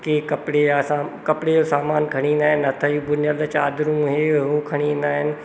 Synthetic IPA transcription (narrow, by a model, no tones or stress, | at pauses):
kekɐpɽeasakɐpɽejosaːmaːnkʰɐɽ̃iːnd̪aːɦɪnɐt̪ʰəjubʊnjəlt͡ʃaːd̪ɾũɦeːɦukʰɐɽ̃ind̪aːɦɪnɪ̆